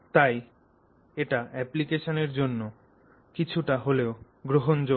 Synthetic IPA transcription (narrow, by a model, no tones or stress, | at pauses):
t̪aj | eʈaʔɛplikeʃoneɾd͡ʑonːo | kit͡ɕʰuʈaɦoleo | ɡɾoɦond͡ʑo